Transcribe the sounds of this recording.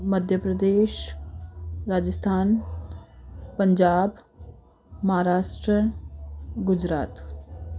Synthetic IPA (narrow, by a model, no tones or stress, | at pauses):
məd̪ʱjəpɾɐd̪eːʃ | ɾaːd͡ʒəst̪ʰaːn | pəɲd͡ʒaːb | mɐɦaːɾaːʃʈɾəɳ̃ | ɡʊd͡ʒɾa̰ːt̪